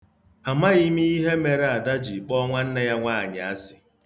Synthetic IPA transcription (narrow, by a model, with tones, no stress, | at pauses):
a˨ma˦ɣi˦mi˦i˦ɦe˦me˨ɾe˨a˨da˦d͡ʒi˨k͡pɔ˦ŋʷa˦n̩˦ne˦ja˦ŋʷaː˦˨ɲa˨a˦sɪ̥˨